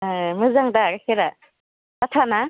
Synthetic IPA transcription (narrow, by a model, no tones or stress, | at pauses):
mɯzaŋdaɾakʰeɾa | tatʰana